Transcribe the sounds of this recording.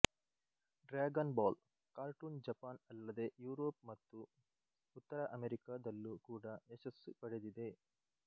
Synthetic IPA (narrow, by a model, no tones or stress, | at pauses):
ɖɾaːɡɐnbaːl | kaːɾʈuːnd͡ʒɐpaːnɐlːɐd̪e̞juːɾoːpmɐt̪ːu | ut̪ːɐɾɐʔɐmeɾikaːd̪ɐlːukuːɽɐeʃɐsːupɐɽed̪id̪e̞